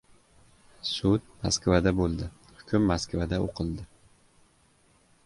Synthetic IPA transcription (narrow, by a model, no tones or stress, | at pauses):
sʊd̪̚maskvad̪abolˠd̪ɪ | hʊ̥kʲʰʊmːaskvad̪aoqʰɨlˠd̪ɪ